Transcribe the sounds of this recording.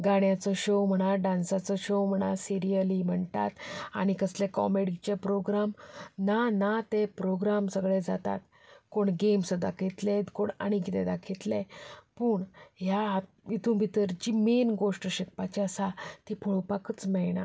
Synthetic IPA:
ɡaɳjat͡sɔɕowm̤əɽ̃aɖãnsat͡sɔɕowm̤əɽ̃asiɾijəlim̤əɳt̪a̰t̪a̰ɽ̃ikəslẽkɔ̰meɽit͡ɕepɾoɡɾamnanat̪epɾoɡɾamsəɡɭed͡zat̪a̰t̪̚ | koɳɡemsəd̪a̰kʰit̪let̪koɳa̰ɽ̃ikit̪ɛd̪akʰit̪lẽpuːɳɦjaɦt̪ | it̪ʰũbʱit̪əɾd͡ʑimenɡoʂʈəɕek̚pat͡ɕiəsat̪ipʰuɭopakət͡smɛjɳa̰

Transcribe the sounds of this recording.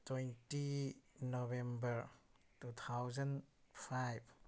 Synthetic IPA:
twentinobɛ̃mbəɾ | tut̪ʰawzanpʰajb

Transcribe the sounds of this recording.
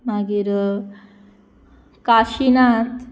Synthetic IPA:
maɡiːɾ | kaɕinat̪

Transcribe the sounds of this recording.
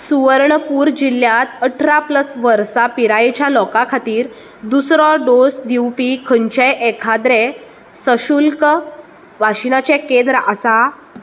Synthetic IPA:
suʋəɾɳəpuːɾd͡ʑilːjãt̪əʈʰɾapləsʋəɾsapiɾajt͡ɕjalɔkakʰat̪iːɾ | d̪usɾɔɖosd̪iwpikʰəɲt͡ɕejʔɛkʰad̪ɾe | səɕulkə | ʋaɕinat͡ɕekẽnd̪ɾəasa

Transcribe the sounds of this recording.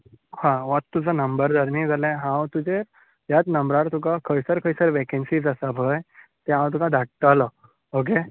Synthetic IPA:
hãʋat̪ːud͡zənəmbəɾd͡zəɾnid͡zʱalɛ̃ɦãwt̪ud͡ʑe | jat̪nəmbɾaɾt̪ukakʰəjsəɾkʰəjsəɾʋekensiːd͡zasabʱəjt̪eɦãw̃t̪ukãd̪ʱaʈ̚t̪alə | ok̬e

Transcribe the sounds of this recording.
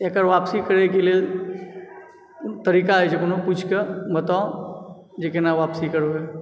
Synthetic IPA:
ekəɾʋaːpsikəɾekelie | t̪ɐɾiːkaɛd͡ʒekʊnoput͡ʃʰkebɐt̪ao | d͡ʒekenaʋaːpsikəɾoe

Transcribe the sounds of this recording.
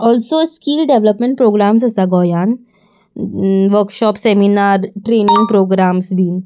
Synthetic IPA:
ɔːlsoːskiːlɖeʋləpmẽɳʈ̚pɾoːɡɾaːmsɐsaɡɔːjaːn | ʋəɾkʃɔːpseminaːɾʈɾeːnɪ̃ŋɡ̚pɾoːɡɾaːmsbiːn

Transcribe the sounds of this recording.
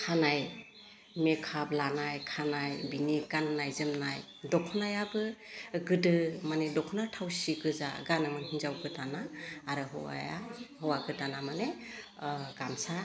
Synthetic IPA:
kʰanaj | mekʰablanajkʰanajbiniɡanːajzɯmnaj | dɔkʰɔnajabɯɡɯdɯmanedɔkʰɔnatʰawsiɡɯza̰ɡanɯmɯnhinzawɡɯtanaːɾɯɦɔ̰wa̰ja̰hɔwaɡɯtanamane | ɡ̥ansa

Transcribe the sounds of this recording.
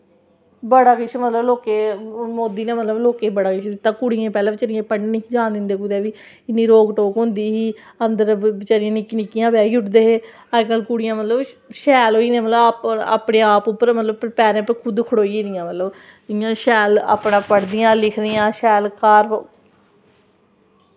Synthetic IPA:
bəɽaːkɪʃʰmət̪ləbloːkeːmoːd̪iːnẽːmət̪ləbloːkeːbəɽaːkɪʃʰd̪ɪt̪ːãːkʊɽɪjẽːpɛːlãːbɪt͡ʃəɽɪẽːpəɳɖnikʰid͡ʒãːnd̪ɪnd̪eːkʊd̪ɛːʋiː | ɪnːĩːɾoːɡʈoːkɦʊ̃nd̪iːɦiː | ənd̪əɾt͡ʃəɾɪjãːnɪkːnɪkːɪjãːʋɛːiːʊʈd̪eːɦeː | əɾkəlkʊɽɪjãːmət̪ləbʃɛːlɦoːiːd̪ẽːmət̪ləaːpa̰ːpɽẽːaːpʊpːəɾmət̪ləbpɾpɛːɾẽːpəkʰʊd̪kʰʊɽoːid̪ɪjãːmət̪ləb | ɪjãːʃɛːla̰ːpɳãːpəɽd̪ɪjãːlɪkʰɾɪjãːʃɛːlkaːɾo

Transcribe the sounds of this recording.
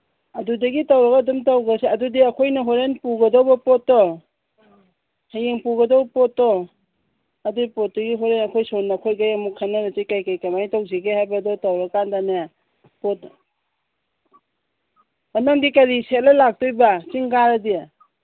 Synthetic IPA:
adudaɡitawɾaɡadumtawɡaseadudiakʰojnaɦɔɾenpuɡɐdɔwbɐpɔtːɔ | hajeŋpuɡɐdɔwbɐpɔtːɔ | adupɔt̚dɐɡiɦɔɾenakʰɔjsɔnːakʰɔjɡajamukʰːanaɾatikajkajkamajtawziɡehajbadɔtawɾakandanea | pɔt | anaŋdikaɾisetlalak̚tujbat͡ʃiŋɡaɾadia

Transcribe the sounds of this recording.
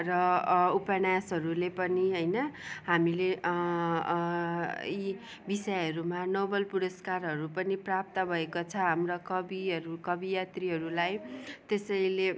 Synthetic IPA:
rʌupʌnasʌɾulepʌniɦʌjnʌɦamile | i | bisʌjɦʌɾumanobʌlpuɾʌskarɦʌɾupʌniprap̚t̪ʌbʱʌekot͡sʰʌɦamrʌkʌbiʌɾukʌbijat̪riɦʌɾulajt̪esʌjle

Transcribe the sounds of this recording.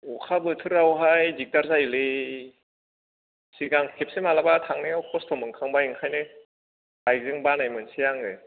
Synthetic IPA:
ukʰabɯtʰɯɾawɦajdik̚taɾzajlɯ | siɡaŋkʰep̚sɯmalabatʰaŋnɯawkʰɔstʰɔmɯŋkʰaŋbajɯŋkʰajnɯ | bajzɯŋbanajmɯnsijaŋɯ

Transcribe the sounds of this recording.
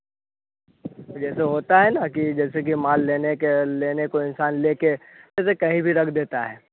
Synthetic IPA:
d͡ʒɛːseɦoːt̪aɦɛnakid͡ʒɛːsek̬imaːlːeːnekeleːnekoɪnsaːnleːke | d͡ʒɛːs̬ekɐɦĩbʱiɾɐkʰd̪eːt̪aɦɛː

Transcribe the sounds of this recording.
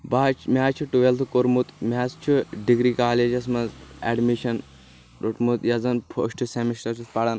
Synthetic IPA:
baːt͡ʃʰmʲaːt͡ʃʰuʈuʋelt̪ʰkoɾmut̪mʲaːst͡ʃʰuɖiɡɾiːkaːled͡ʒɐs̬mɐnzɛɖmiʃɐn | ɾuʈmut̪jɐzɐnpʰo̰ːʃʈɨsemisʈɐɾt͡ʃʰut̪pɐɽɐn

